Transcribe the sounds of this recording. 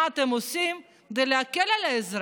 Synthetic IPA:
at̪emosim | d̪eleakelalaezɾ

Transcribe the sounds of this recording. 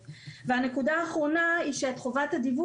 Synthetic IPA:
vehane̞kudaːχʁo̞naiʃetχovathadivu

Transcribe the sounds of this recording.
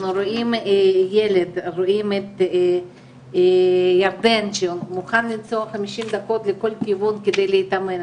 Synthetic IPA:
nuɾoʔimjeled̪ɾoʔimet̪ | jaɾd̪enʃemuχanlint͡soaχamiʃimd̪ako̞t̪leko̞lkivunked̪ejlejit̪amen

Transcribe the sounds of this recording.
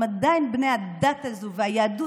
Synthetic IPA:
əd̪aɪnbnɛad̪at̪əzuvajadu

